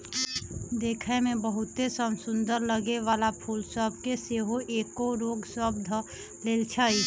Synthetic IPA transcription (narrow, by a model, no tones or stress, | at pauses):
d̪eːkʰemẽbəɦʊt̪esəmsʊ̃nd̪əɾləɡeʋaːlapʰuːlsəb̚keseːɦoʔeːkoɾoːɡswəbd̪ʱ | leːlt͡ʃʰaːi